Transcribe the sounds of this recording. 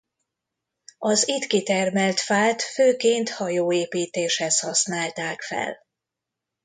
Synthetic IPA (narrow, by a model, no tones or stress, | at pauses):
ɒzit̪kit̪ɛrmɛlt̪faːt̪føːkeːnt̪hɒjoːeːpiːt̪eːʃhɛshɒsnaːlt̪aːkfɛ̰l